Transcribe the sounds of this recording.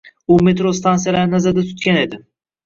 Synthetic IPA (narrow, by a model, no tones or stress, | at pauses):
ʊmet̪ɾost̪ʰansijalaɾɪnazaɾd̪at̪ʰʊt̪kʲane̞d̪ɪ